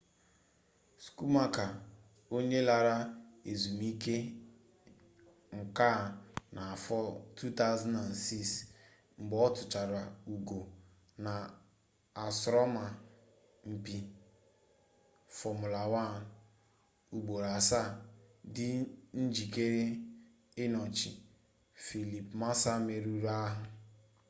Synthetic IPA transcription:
sku˦ma˦ka˨ | o˦ɲe˦la˨ɾa˦e˨zu˨mi˦ke˦ | ŋ̩˨ka˦˨na˨fɔ˦tʰu˦ta˦ʊ˦za˦na˨nsi˦s | ŋ͡m̩˨ɡ͡bɔ˦ɔ˦tʊ˨t͡ʃa˨ɾa˨u˨ɡo˨ | na˨ | a˨sɾɔ˦ma˨ | m̩˨pi˨ | fɔ˨mʊ˨la˨wa˦˨ | u˨ɡ͡bo˨ɾa˨sa˦˨dɪ˦n̩˦d͡ʒi˨ke˦ɾe˦ | ɪ˦nɔ˨t͡ʃi˨ | fi˨li˨pma˦sa˦me˨ɾu˦ɾa˦ɦʊ˨

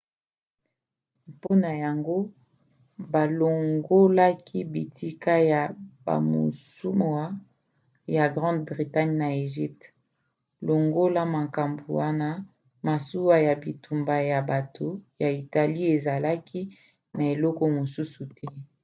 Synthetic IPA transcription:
po˦na˨ja˨ŋɡo˦ | ba˨lo˨ŋɡo˦la˦kʰi˦bi˨ti˦ka˦ja˨ba̰˨mo̰˨su˦mwa˦ | ja˨ɡʁɑ̃˦ndbʁi˨ta˦ɲna˨e˨ʒi˦p̚t | lo˨ŋɡo˦la˦ma˨ka˨mbu˨wa˦na˦ | ma˨su˦wa˦ja˨bi˨tʰu˨mba˨ja˨ba˨tʰo˨ja˨i˨ta˨li˦e˨za˨la˦kʰi˦ | na˨e˨lɔ˦kɔ˦mo˨su˦su˨tʰɛ˦

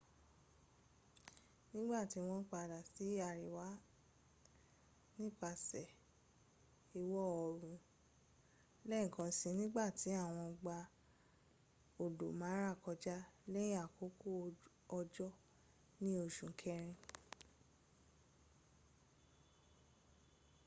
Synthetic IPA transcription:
nĩ˦ɡ͡ba˦˨ti˨˦w̃ɔ̃˦k͡pa˧˨da˨si˨˦a˧˨ɾi˨wa˨˦ | nĩ˦k͡pa˧sɛ˨ | i˧wɔ˦˨ɔ˨ɾũ˨ | lɛ˦ĩ˦˨kɔ̃˧˦sĩ˧nĩ˦ɡ͡ba˦˨ti˨˦a˦˨w̃ɔ̃˧ɡ͡ba˧ | o˨do̰˨mã˨˦ɾa˦˨kɔ˧d͡ʒa˦lɛ˦jĩ˦a˦˨ko˨˦ko˦˨ | ɔ˧d͡ʒɔ˦ | nĩ˦o˧˨ʃũ˨˦kʰɛ˦ɾ̃ĩ˧˨

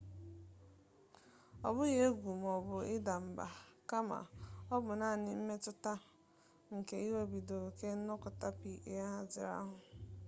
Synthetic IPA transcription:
ɔ̰˨bʊ˦je˦e˦ɡʷu˨m˨ɔ˨bʊ˨ɪ˦da˨m̩˨ba̰˨ka˦ma̰˨ɔ˦bʊ˨na˦˨nɪ˦m̩˦me˦tʊ˦ta˦ | ŋ̩˨ke˨i˦we˦bi˨do˨ke˦n̩˦nɔ˦kʊ˨ta˦pi˨ʔja˦ɦa˦zɪ̰˨ɾa̰˦ɦʊ˨

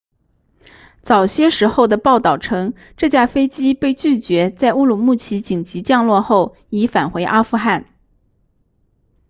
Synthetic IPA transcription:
t͡sɑ˨˩ʊɕjɛ˥ʂɻ̩˧˥xo˥˩ʊd̪ə˩pɑ˥˧ʊt̪ɑ˥˩ʊʈ͡ʂʰɤ˥ŋ | ʈ͡ʂɤ˥˧t͡ɕja˥˩fe˥ɪt͡ɕi˥pe˥˧ɪt͡ɕy˥˩t͡ɕɥɛ˧˥t͡sa˥˧ɪu˥˧lu˨˩mu˥˩t͡ɕʰi˧˥t͡ɕi˨˩ŋt͡ɕi˧˥t͡ɕjɑ˥˧ŋlwɔ˥˧xo˥˩ʊ | i˧˥fa˨˩nxwe˧˥ɪʔa˥fu˥˧xa˥˩n

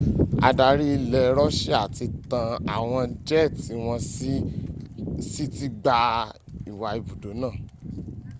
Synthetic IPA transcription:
a̰˧da˨ɾi˦i˧lɛ˧ɾɔ˦ʃɛ˦a˦˨ti˧tã˧a̰˨w̃ɔ̃˧d͡ʒɛ˦˨ti˨˦w̃ɔ̃˧s | si˦ti˦ɡ͡ba˧ | i˨wa˨i˧bu˨do˨˦nãː˦˨

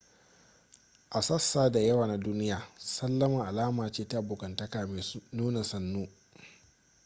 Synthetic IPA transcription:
ʔa˨sɐ˦sːaː˨da˨jɐ˦waː˨na˦duː˦nɪ˦jaː˨sɐ˦lːɐ˦mɐ˨ŋʔa˨laː˦maː˨t͡ʃeː˦ta˦ʔbʊ˨kɐ˨ntɐ˦kaː˨me˨nuː˦na˨sɐ˦nːuː˦

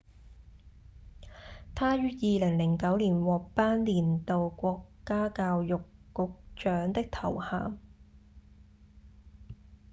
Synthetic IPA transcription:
t̪ʰaː˥jyː˥jiː˨˧lɪ˨˩ŋlɪ˨˩ŋkɐ˨˥wliː˨˩nwɔː˨k̚paː˥nliː˨˩nt̪o˨wkʷɔː˧kːaː˥kaː˧wjʊ˨kːʊ˨˧k̚t͡ʃœː˨˥ŋt̪ɪ˥k̚t̪ʰɐ˨˩wha̰ː˨m

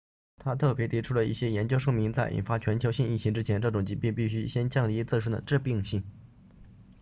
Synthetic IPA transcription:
t̪ʰa˥t̪ʰɤ˥˩pjɛ˧˥t̪ʰi˧˥ʈ͡ʂʰu˥lə˨ḭ˥˩ɕjɛ˥jɛ˧˥nt͡ɕjo˥ʊʂɤ˥˩ŋmi˧˥ŋt͡sa˥˩ɪʔḭ˨˩nfa˥t͡ɕʰɥɛ˧˥nt͡ɕʰjo˧˥ʊɕi˥˧ni˥˩t͡ɕʰi˧˥ŋʈ͡ʂɻ̩˥t͡ɕʰjɛ˧˥nʈ͡ʂɤ˥˩ʈ͡ʂʊ˨˩ŋt͡ɕi˧˥pi˥˧npi˥˩ɕy˥ɕjɛ˥nt͡ɕjɑ˥˩ŋt̪i˧˥t͡sɹ̩˥˧ʂ̬̩˥˩d̪ə̰˨˩ʈ͡ʂɻ̩˥˧pi˥˧ŋɕi˥˩ŋ

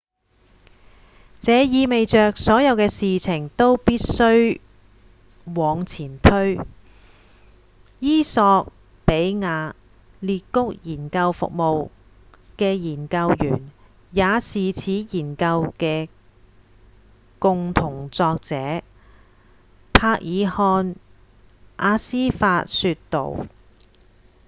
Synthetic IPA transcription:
t͡sɛː˨˧jiː˨˧me˨jt͡ʃœː˨k̚sɔː˨˥jɐ˨˧wkɛː˧siː˨t͡sʰɪ˨˩ŋt̪o˥wpiː˥t̚sɵ˥ɥ | wɔː˨˧ŋt͡sʰiː˨˩nt̪ʰɵ˥ɥ | jiː˥sɔː˧k̚ | pe˨˥jŋaː˨˧ | liː˧t̚kʊ˥k̚jiː˨˩nkɐ˧wfʊ̰˨k̚mo˨w | kɛː˧jiː˨˩nkɐ˧wjy̰ː˨˩n | jaː˨˧siː˨t͡sʰiː˨˥jiː˨˩nkɐ˧wkɛː˧ | kʊ˨˧ŋt̪ʰʊ˨˩ŋt͡sɔː˧k̚t͡sɛː˨˥ | pʰaː˧k̚jʔiː˨˧hɔː˧n | ʔaː˧siː˥faː˧t̚syː˧tt̪o̰˨˩w

